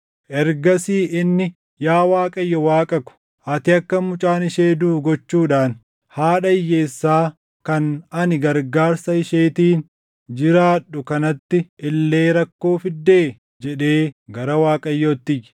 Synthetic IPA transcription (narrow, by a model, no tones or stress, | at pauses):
ʔɛɾɡɐsiːɪnːɪ | jaːwaːkʼɐjːɔwaːkʼɐkʊ̥ | ʔɐt̪ɪɐkːɐmʊt͡ʃʼaːnɪʃeːd̪uːɡɔt͡ʃːuːᶑaːn | haːᶑɐɪjːeːsːaː | kɐnɐnɪɡɐɾɡaːɾsɐɪʃeːt̪iːn | d͡ʒɪɾaːᶑʊkɐnɐt̪ːɪʔɪlːe̞ːɾɐkːo̞ːfɪd̪ːe̞ː | d͡ʒɛᶑe̞ːɡɐɾɐwaːkʼɐjːɔːt̪ːɪj